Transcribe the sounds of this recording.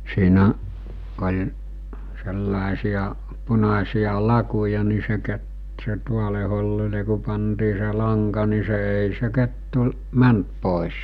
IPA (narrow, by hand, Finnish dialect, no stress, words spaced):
siːnæ olʲ selːɑˑesij̆ɑ punɑsij̆ɑ lɑkujɑ ni se ke se tuole holːile ku pɑntiː se lɑŋkɑ ni se eˑi se ketːu mænt poˑes